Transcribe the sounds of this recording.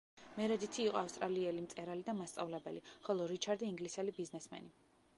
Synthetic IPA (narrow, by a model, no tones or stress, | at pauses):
mɛɾɛd̪it̪ʰiːqʼɔafst̪ʼɾaliɛlimt̪sʼɛɾalid̪amast̪sʼa̰vlɛbɛ̰liχɔlˠɔɾit͡ʃʰaɾd̪iiŋɡlisɛlibiznɛsmɛ̰ni